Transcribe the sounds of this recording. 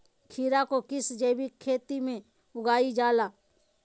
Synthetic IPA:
kʰiːɾakokɪsd͡ʒeːbikʰeːt̪imẽ | ʊɡaːid͡ʒaːlaː

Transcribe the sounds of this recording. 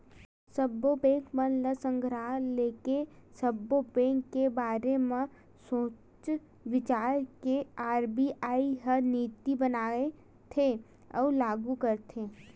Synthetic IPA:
səbobẽːŋkmənləsə̃ŋɡʱɾaːleːkesəbːobẽːŋkːebaːɾemẽ | sõː | t͡ʃ | ʋɪt͡ʃaːɾkeaːɾbiaːiɦəniːt̪ibənaːe | t̪ʰe | ɔːlaːɡukəɾt̪ʰeː

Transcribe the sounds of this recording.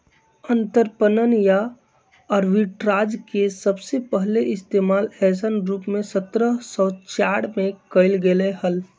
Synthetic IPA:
ə̃nt̪əɾpənənjaː | ɾʋiʈɾaːd͡ʒkesəbsepəɦleʔɪst̪eːmaːlɛːsənɾuːpmẽsət̪ɾəsɔ̃t͡ʃaːɽmẽkəɪlɡelehəl

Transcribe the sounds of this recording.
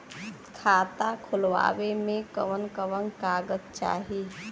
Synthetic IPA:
kʰaːt̪akʰʊlʋa̰ːʋemẽkə̰ʋənkəʋənkaːɡət̪̚t͡ʃa̰ːɦi

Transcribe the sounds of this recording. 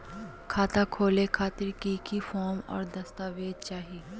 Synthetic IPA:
kʰaːt̪akʰoːlekʰaːt̪ɪɾkikifɔːɾmɔ̰ːɾd̪ɐst̪aːʋeːd̪̚t͡ʃaːɦi

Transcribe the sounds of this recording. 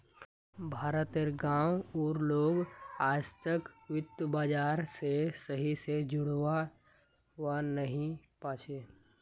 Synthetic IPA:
bʱaːɾət̪eɾɡãːwɔːɾloːɡaːd͡ʒt̪əkwɪt̪əbaːd͡ʒaːɾsesəɦised͡ʒʊɽ̤wa | wanəɦĩpaːt͡ʃʰeː

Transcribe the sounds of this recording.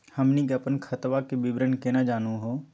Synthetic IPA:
həmnikeɐpənkʰɐt̪ʋakebɪbɾənkenad͡ʒaːnũɦo

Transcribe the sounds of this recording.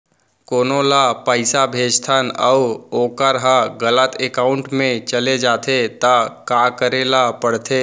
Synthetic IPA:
koːnolapəɪsabʱeːd͡ʒt̪ʰənəuoːkəɾɦãɡələt̪ʰekaːʊɳʈmẽt͡ʃəled͡ʒaːt̪ʰet̪əkakəɾelapəɽ̤t̪ʰe

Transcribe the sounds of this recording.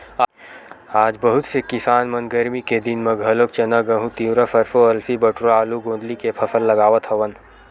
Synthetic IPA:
aːd͡ʒbəɦʊt̪sekɪsaːnmɐnɡəɾmiked̪inmɐ̃ɡʱɐloːk̚t͡ʃɐnaɡɐɦũt̪iːʋɾafɐɾfoɐlfibɐʈɾaːluɡõːnd̪likepʰɐfʰəlːɐɡaːʋət̪ʰɦɐʋən

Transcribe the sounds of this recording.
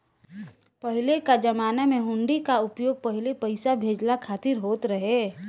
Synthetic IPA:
pəɦɪlekad͡ʒɐmaːnamẽɦʊ̃ɳɖikaʊpjoːɡ̚pəɦɪlepəɪsabʱeːd͡ʒlakʰaːt̪ɪɾɦoːt̪ɾəɦeː

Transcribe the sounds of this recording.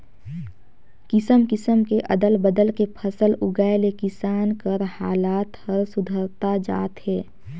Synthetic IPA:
kɪsəmkɪsəmkeʔə̰d̪əlbəd̪əlkepʰəsəlʊɡaelekɪsaːnkəɾhaːlaːt̪həɾsʊd̪ʱəɾt̪ad͡ʒa̰ːt̪hɛː

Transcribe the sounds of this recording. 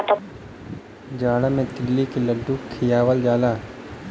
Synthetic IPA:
t̪ | d͡ʒaːɽamẽt̪ɪlːikeləɖːukʰːijaːwəld͡ʒaːlaː

